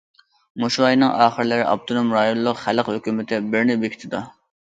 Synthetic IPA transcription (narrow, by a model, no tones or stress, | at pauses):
muʃwɑjnɨŋʔɑːχəɾlɪɾɪʔɑ̰p̚t̪ʰonomɾɑjonllˠʊqχæləqhøkʲymɪt̪ʰɪbɪɾnɪbekʲʰi̥t̪ʰɪd̪u